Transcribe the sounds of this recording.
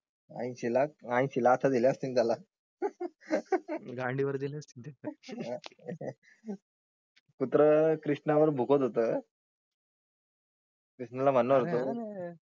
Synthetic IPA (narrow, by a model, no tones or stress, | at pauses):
ã̰j̃ɕilaãj̃ɕilaːt̪ʰad̪iljaəst̪ind͡z̪ala | ɡãɳɖiʋəɾd̪ilast̪int̪a | kut̪ɾəkɾiʂʈnaʋəɾbʱukot̪ɦot̪ə | kɾiʂnalam̤anːuəɾt̪o